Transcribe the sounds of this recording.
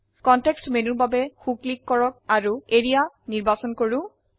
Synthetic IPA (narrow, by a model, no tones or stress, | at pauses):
kɔntɛkstmenuɹbabɛxuklikːɔɹɔk̚aɹueɹia | niɹbasɔnkoɹu